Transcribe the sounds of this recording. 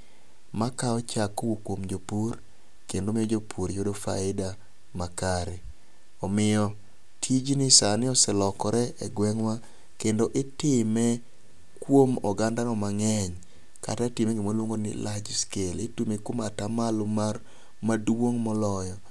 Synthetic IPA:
makaɔt͡ʃakoukwomd͡ʒopuɾ | kendomɪɔd͡ʒopʰuɾjodofa̰ɪda | makaɾe | ɔmɪjɔ | tʰid͡ʒnɪsanɪɔsɛlɔkɔɾɛɛɡwɛŋwa | kendoʔɪtɪmɛ | kwomɔɡandanɔmaŋɛɲ | ka̰tatɪmɛŋɡɪmolwoŋɡonɪ̰lad͡ʒskeletumekwomatamalʊmar | madwoŋmɔlɔjɔ

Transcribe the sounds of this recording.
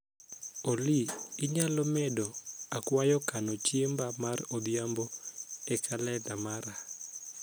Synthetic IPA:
oliɪɲalɔmɛdoakwajɔkanɔt͡ʃembamarobjamboɛkʰalɛdamaɾa

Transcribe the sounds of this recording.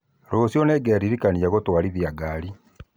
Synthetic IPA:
ɾosjɔneɡɛaɾiɾikaniaɣotwaɾiðjaɡaɾi

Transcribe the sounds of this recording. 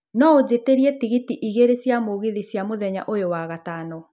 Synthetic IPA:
nɔod͡ʑeteɾiɛtiɣitiʔiɣeɾesjamoɣeðisjamoðɛɲa̰ʔojowaɣatanɔ

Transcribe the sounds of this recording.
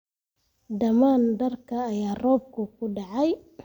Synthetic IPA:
dɐmandɐrkɐːjaːrɔːb̚kʊkʊɖaʕaj

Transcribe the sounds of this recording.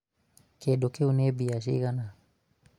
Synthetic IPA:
kedokeunebias̬ḭkana

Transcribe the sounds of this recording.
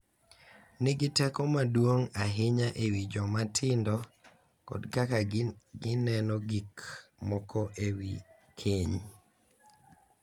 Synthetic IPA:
nɪɡɪtɛkɔmadwoŋaɦɪɲaʔewid͡ʒɔmatʰɪndɔ | kɔ̰dkakaɡɪnɛnɔɡikmɔkɔʔewi | kʰeɲ

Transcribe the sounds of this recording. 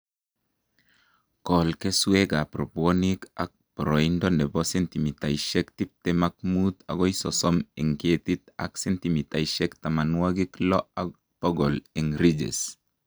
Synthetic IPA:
kɔlkesweɡapɾoponika̰k̚pɾoindonebɔsɛnt̪imit̪ajʃɛkt̪ip̚t̪emak̚mut̪a̰ɡɔjsɔsɔmiŋket̪it̪a̰ksɛnt̪imit̪ajʃɛkt̪amanuwaɡiklɔa | pɔɡɔliŋɾid͡ʒḛs

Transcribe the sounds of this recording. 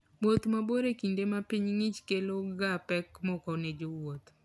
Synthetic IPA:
wot̪maboɾekindemapiɲŋɪt͡ʃkeloɡapɛkmɔkɔned͡ʒowot̪

